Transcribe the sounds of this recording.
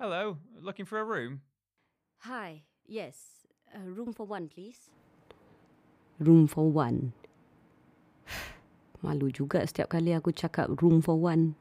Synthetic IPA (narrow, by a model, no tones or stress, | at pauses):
hɛloʊlʊkɪ̃ŋfəɹəɹʉ̃m | haj | jɛs | əɹũmfɔwãnpʰlis | ɹumfɔwãn | ma̰lud͡ʒuɡa̰ʔsə̥t̪ia̰p̚kaliakut͡ʃaka̰p̚ɹumfɔwan